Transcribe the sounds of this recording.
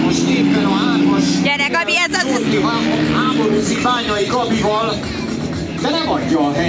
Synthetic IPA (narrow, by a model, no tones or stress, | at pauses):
moʃt̪eːpbɛnɔaːrmɔʃɛɾɛkɒiɛzivaɔɦaːmoɾuːzibaːɲɒjiɡɒbivɒl | d̪ɛnɛmɒɟːɒːɦɛ